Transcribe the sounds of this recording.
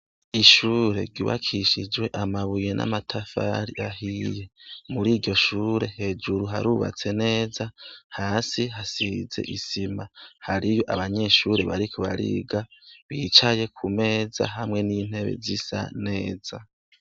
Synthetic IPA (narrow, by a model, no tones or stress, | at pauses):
iʃuːɾe̞̰ɾɟuβa̰kʰiʃid͡ʒwe̞ʔamaβujenʔa̰matʰafa̰ɾiaɦije̞muɾiːɾɟo̞ʃuːɾe̞he̞d͡ʒuɾuɦa̰ɾuβa̰t͡se̞ne̞ːzahaːsiɦasize̞̰ʔisimahaɾijo̞ʔaβaɲe̞ʃuːɾe̞βaɾikʰuβaɾḭːɡaβiːt͡ʃaje̞kʰume̞ːza̰ɦamŋe̞niːn̥he̞βe̞̰zisa̰ne̞ːza